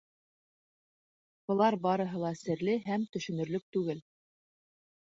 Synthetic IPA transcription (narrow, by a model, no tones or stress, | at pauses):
b̥ɤ̆lˠɑɾbɑɾɤ̆ɦɤ̆lˠɑsɘ̆ɾlɘɦæmt̪ɵ̆ʃɵ̆nɵ̆ɾlɵk̚t̪ʉɡɘl